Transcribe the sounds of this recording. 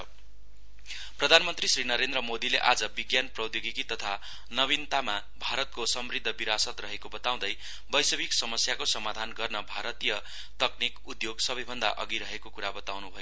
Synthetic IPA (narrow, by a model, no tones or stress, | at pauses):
prʌd̪ʱanmʌnt̪risrinʌɾend̪rʌmod̪ileʔad͡zʌbiɡjanprʌd̪joɡikit̪ʌt̪ʰa | nʌβint̪ama | bʱaɾʌt̪̚kosʌmrid̪ʱːʌbiɾasʌt̪rʌɦekobʌt̪aw̃d̪ʌj | bʌjsʌbiksʌmʌsjakosʌmad̪ʱanɡʌrnʌbʱaɾʌt̪ijʌ | t̪ʌknikud̪joɡsʌbʌjbʱʌnd̪a̰ʔʌ̰ɡiɾʌɦekokuɾabʌt̪awnubʱʌjo